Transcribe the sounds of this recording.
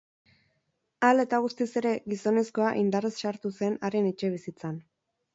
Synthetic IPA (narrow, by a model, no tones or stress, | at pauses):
ale̞t̪aɣust̪ise̞ɾe̞ɡiso̞ne̞sko̞aʔind̪aresʃaɾt̪use̞naɾe̞net͡ʃe̞β̞isit͡san